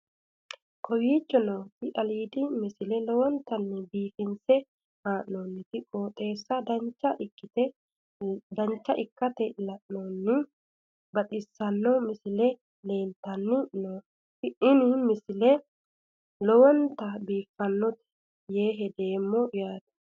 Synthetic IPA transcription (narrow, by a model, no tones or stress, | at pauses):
kʰɔwiːt͡ʃʼːɔnoːkɪʔɐliːd̪ɪmɪsɪlɛlɔwɔnt̪ɐnːɪbiːfɪnsɛ | haːʔnonːɪt̪ɪkʼoːt̪ʼe̞ːsːɐd̪ɐt͡ʃːɐʔɪkːɪt̪ɛ | d̪ɐɲt͡ʃːɐʔɪkːɐt̪ɛlɐʔnonːɪ | bɐt̪ʼɪsːɐnːɔmɪsɪlɛ | le̞ːnt̪ːɐnːɪnoː | tɪɪnɪmɪsɪlɛ | lɔwɔnt̪ɐbiːfːɐnːɔt̪ɛ̥ | je̞ːɦɛd̪e̞ːmːɔjaːd̪ɐ̥